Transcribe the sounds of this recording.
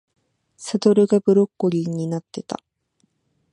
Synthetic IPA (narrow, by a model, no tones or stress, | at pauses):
sat̪o̞ɾɯ̟ɡabɯ̟ɾo̞kːoɾʲiɲ̟ːinat̪ːe̞t̪a̰